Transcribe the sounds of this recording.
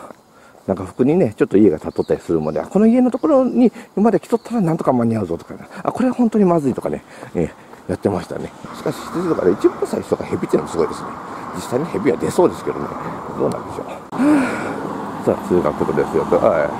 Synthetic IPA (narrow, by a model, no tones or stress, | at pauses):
nãŋkaɸɯ̟̥kɯ̟ɲ̟ine̞t͡ɕot̪ːoie̞ɡat̪at̪ːo̞t̪ːaɾʲisɨɾɯmod̪ea̰ko̞no̞ie̞no̞t̪oko̞ɾo̞ɲ̟imad̪ekʲi̥t̪o̞t̪ːaɾanãnt̪o̞kamaɲ̟iaɯ̟zo̞t̪okanaa̰ko̞ɾe̞βahont̪o̞ɲ̟imazɨɾit̪o̞kane̞e | jat̪ːe̞maɕi̥t̪a̰ne̞ɕi̥kaɕi̥ɕi̥t̪esit̪oka̰d̪eit͡ɕibɯ̃nsaiɕoɡa̰hebʲit̪ːemosɨɡo̞id̪e̞sɨne̞̰d͡ʑisːaiɲehebʲiβa̰d̪e̞so̞ːd̪e̞sɨ̥ke̞d̪o̞̰moed̪o̞ːnã̰nd̪eɕo̞̰ː | sa̰ːsɨːɡa̰k̪ːot̪od̪e̞sɨjot̪ːoa